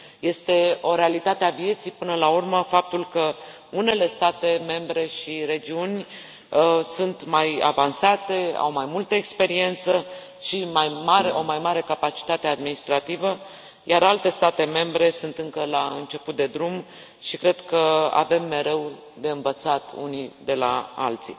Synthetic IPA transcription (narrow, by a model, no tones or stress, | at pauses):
je̞st̪e̞o̞ɾe̞alit̪at̪eavie̞t̪sijpɨnəlaurməfap̚t̪ulkə | une̞le̞st̪at̪e̞me̞mbɾe̞ʃiɾe̞d͡ʒiunʲ | sunt̪maja̰vansat̪e̞a̰wmajmult̪əekspe̞ɾie̞nt̪sə | ʃimajmaɾeʔo̞majmaɾe̞kapat͡ʃi̥t̪at̪e̞ad̪minist̪ɾat̪ivə | jaɾalt̪e̞st̪at̪e̞me̞mbɾe̞sunt̪ɨŋkəlaɨnt͡ʃe̞put̪̚d̪e̞d̪ɾum | ʃikɾe̞d̪kəa̰ve̞mːe̞ɾe̞w | d̪e̞ɨnvət̪sat̪ṵnid̪e̞la̰a̰lt̪sḭ